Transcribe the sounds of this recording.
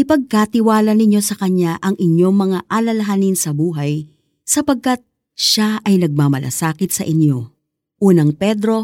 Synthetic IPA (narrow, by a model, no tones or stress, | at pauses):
ʔɪpɐɡ̚kat̪ɪwaːlɐnɪɲjo̞sɐkɐɲjaʔɐŋʔɪɲjo̞ŋmɐŋaʔalɐlɐɦanɪnsɐbuːɦɐj | sɐpɐɡ̚kat̪̚ | ʃaʔɐjnɐɡ̚mamɐ̰lʔɐ̰saːkɪt̪̚sɐʔɪɲjo̞ | ʔuːnɐŋpɛd̪ɾo̞